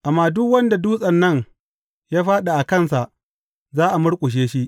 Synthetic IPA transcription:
ʔa˨mːaː˨dʊ˦kwɐ˦nda˨duː˦sʼɐ˨nːɐ˦ŋ | jaː˦ɸaː˦ɗa˨ʔa˨kɐ˦˨nsa˨ʔ | zaː˦ʔa˨mʊ˦ɽkʷʼʊ˨ʃ̬eː˦ʃi˦ʔ

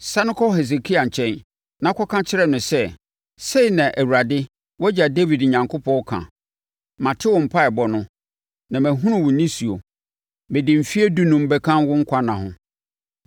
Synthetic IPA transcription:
sa˦nɪ̃˦kʰɔ˦ɦɛ˨s̬e˨kʰi˦a˨ɲ̩˨t͡ɕʰɛ̃˦n | nã˦kʰɔ˦kʰã˦t͡ɕʰɪ˦ɾɛ˦˨nʊ̃˨sɛ˦ | se˦i˨nã˨ʔæ˨wu˨ɾa˨dɪ˦ | wɔ˦d͡ʑa˨de˦vi˨dɲã˨ŋkʰʊ˦pʰɔ̃˦wkʰã̰˨ | mã˨tʰɪ˦wɔ̃˨m̩˨pʰa˦ɛ˨bɔ˨nʊ̃˦ | nã˨mæ̃˨ɦũ˦ɾʊ̃˦wʊ̃˨nĩ˦su˨o̰˨ | mɪ̃˨dɪ̃˨m̩˨fi˦e˦du˦nũ˦m˦bɛ˦kʰã˦nwʊ̃˦ŋ̩˦kʷʰa˦nã˨ɦʊ̰̃˨

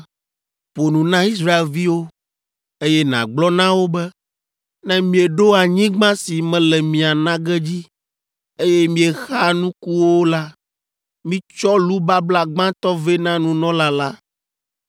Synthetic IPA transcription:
ɸo˨nũ˨nã˦i˦sɾa˦e˨lvi˦wo˦ | e˦jɛ˦nã̰˨ɡ͡blɔ˦nã˦wo˦bɛ˦ | nɛ̃˦mĩ˨e˨ɖo˦a˨ɲĩ˦ɡ͡bã˦si˨mɛ̃˦lɛ˨mĩ˨a˨nã˦ɡɛ˦d͡ʑi˦ | e˦jɛ˦mĩ˦ɛ˨xa˦nũ˦ku˦woo˦la˦ | mĩ˦t͡ʃɔ˦lu˦ba˦bla˨ɡ͡bã˦t̪ɔ˦vɛ˦nã˦nũ˦nɔ̃˦la˦la˦

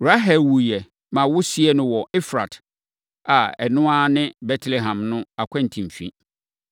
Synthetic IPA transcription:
ɾa˦ɦɛ˨lwu˨jɛ˨ | mã˨wʊ˦si˦ɛ˦nʊ̃˨wɔ˨ʔɛ˦fɾa˨d | a˨ɛ̰˨nʊ̃˦a˦nɪ̃˦bɛ˦tʰle˨ɦã˨mnʊ̃˦a˨kʷʰɛ̃˦n̩˨tʰĩ˨m˨fᶣḭ̃˦

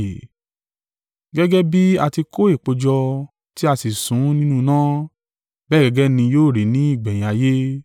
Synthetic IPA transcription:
ɡɛ˦ɡɛ˦bi˦a˧ti˧kʰo˦e˦˨k͡po˧d͡ʒɔ˧ | ti˦a˧si˨sũ˨˦nĩ˦nũ˦˧nãː˦ | bɛː˦˨ɡɛ˦ɡɛ˦nĩ˧joː˦˨ɾe˨nĩ˦i˦˨ɡ͡bɛ˨j̃a˨˦je˦

